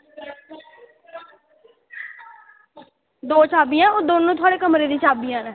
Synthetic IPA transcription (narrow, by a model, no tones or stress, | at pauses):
d̪oːt͡ʃʰaːbijãːoːd̪oːnũːt̪ʰʊaːɽeːkəmɾeːd̪iːt͡ʃʰaːbijãːnɛ̃ː